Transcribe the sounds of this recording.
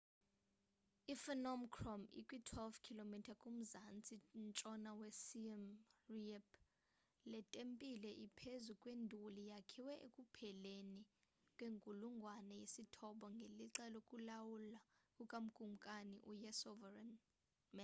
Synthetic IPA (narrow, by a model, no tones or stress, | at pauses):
ifɛnɔmkʰrɔmḭkʼwitʰwɛlvkʰilomitʰakʼum̩zant͡sʼint͡ʃʼɔnawɛsimriɛpʰ | lɛtʼempʼilɛʔipʰezukʼwendʱulijakʰiwɛʔḛkʼupʰɛleni | kʼweŋkʼuluŋɡʱwanɛjesitʰɔɓɔŋɡʱeliǁɛlokʼulawulakʼukʼam̩kʼuŋkʼaniʔujɛsɔvɛrɛn | mɛn